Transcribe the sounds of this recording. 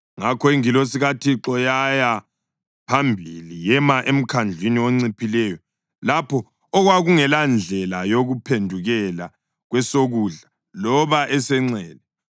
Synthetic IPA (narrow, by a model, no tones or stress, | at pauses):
ŋakʰɔiŋilos̬iɣatʰiǁɔjaja | pʰambʱilijɛmaʔem̩kʰand͡ɮʱwiniwoŋ͡ǀipʰilɛjɔ | lapʰɔː | ɣwaɣuŋɛland͡ɮʱɛlajoɣupʰendʱuɣɛla | ɣwɛsoɣuɮa | lɔβaʔɛsɛŋ͡ǀɛːlɛ